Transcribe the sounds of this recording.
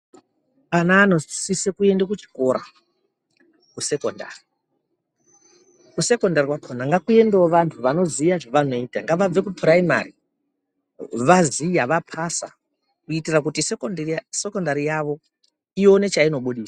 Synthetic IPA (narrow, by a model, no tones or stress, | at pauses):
anaːno̞sisekue̞ndekut͡ʃi̥ko̞ɾa̰ | kuse̞konda̰ːri | kuse̞ko̞ndarikwapʰonaŋɡakue̞ndeoʋantʰuʋano̞zijaʐoʋano̞iːtaŋɡaʋab͡ve̞kupraima̰ri | ʋazijaʋapʰasa̰ | kuitirak̬utisese̞ko̞ndaɾijaʋo̞ | ijo̞ne̞t͡ʃaino̞ɓuɗiːsḁ